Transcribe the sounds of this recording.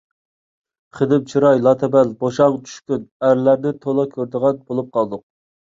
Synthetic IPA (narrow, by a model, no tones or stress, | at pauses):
χəd̪ɪp̚t͡ʃʰiɾɑjlˠɑt̪ʰɛbælboʃɑʁɑt͡ʃ̪ʰy̥ʃkʲynæɾlæɾd̪ɪt̪ʰolˠɑkʲʰøɾd̪əʁɑnbolˠup̚qʰɑlˠd̪ʊq̚